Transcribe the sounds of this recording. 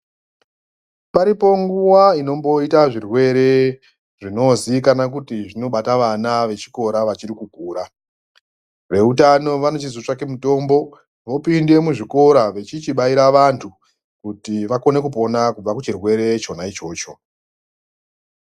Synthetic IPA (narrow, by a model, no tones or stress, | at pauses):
paɾipo̞ŋɡuwaino̞mbo̞itaʐirwe̞ɾe̞ | ʐino̞zikanak̬utiʐino̞ɓataʋanaʋe̞t͡ʃi̥ko̞ɾaʋat͡ʃiɾikukuːɾa | ʋe̞utano̞ʋano̞t͡ʃizot͡ʂake̞muto̞ːmbo̞ | ʋo̞pinde̞muʐiko̞ɾaʋe̞t͡ʃit͡ʃiɓaiɾaʋantʰu | kutiʋako̞ne̞kupo̞nakub͡vakut͡ʃirwe̞ɾe̞t͡ʃo̞nait͡ʃo̞ːt͡ʃo̞